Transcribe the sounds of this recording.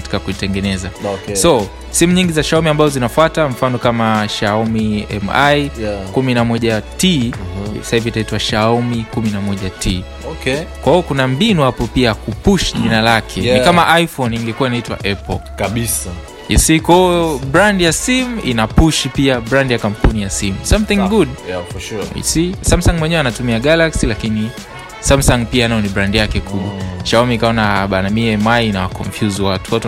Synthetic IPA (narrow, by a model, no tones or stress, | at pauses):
ati̥kakuitɛŋɡɛnɛzaksɔ | simuɲiŋɡizaʃaumiambazɔzinafwataɱ̩fanɔkamaʃaɔmiɛ̰majkuminamɔʄati | sahivitaitwaʃaɔmikuminamɔʄatʰi | kɛkwahiɔkunambinuhapɔpiakupuʃiʄinalakʰɛnikamaʔaifɔniŋɡɛkuainaitwa̰ʔɛpɔ | kaisa | ḭsikwaiɔbɾandijasimḭnapuʃipiabɾandjakampunijasimusamθĩŋɡudfḭsisamsaŋɡmwɛɲɛwɛanatumiaɡalaksilakini | samsaŋɡ̚pianaɔnibɾandijakɛkʰuɓwaʃaɔmikaɔnaɓanamiɛmainawakɔ̰ɱfjuzwatuwat